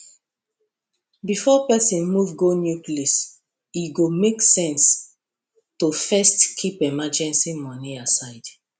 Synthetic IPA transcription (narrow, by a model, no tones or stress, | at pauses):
bifɔpɛsĩnmuvɡonjuklis | iɡomeksɛ̃ns | tofɛstkʰipɛmad͡ʒɛ̃nsimɔniasaɪd̥